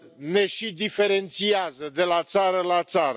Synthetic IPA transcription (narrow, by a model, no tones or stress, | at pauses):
ne̞ʃid̪ife̞ɾe̞nt̪siazəd̪e̞lat̪saɾəlat̪saɾə